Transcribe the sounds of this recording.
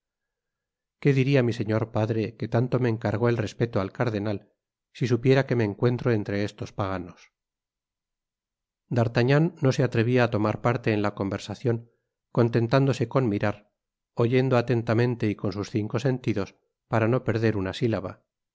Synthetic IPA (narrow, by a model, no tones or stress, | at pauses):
ke̞ðiɾiamise̞ɲo̞ɾpaðɾe̞ke̞t̪ant̪o̞meːŋkaɾɣo̞elre̞spe̞t̪oalkaɾðe̞nal | sis̬upje̞ɾake̞me̞ːŋkwe̞nt̪ɾo̞e̞nt̪ɾe̞est̪o̞spaɣ̞ano̞s | d̪aɾt̪aɲanːo̞se̞at̪ɾe̞βiaːt̪o̞maɾpaɾt̪e̞ːnlako̞mbe̞ɾsaθjo̞ŋ | ko̞nt̪e̞nt̪and̪o̞se̞ko̞nmiɾaɾ | o̞ʝe̞nd̪o̞at̪e̞nt̪amẽ̞nt̪e̞iko̞nsusθiŋko̞se̞nt̪iðo̞s | paɾanope̞ɾðe̞ɾunasilaβ̞a̰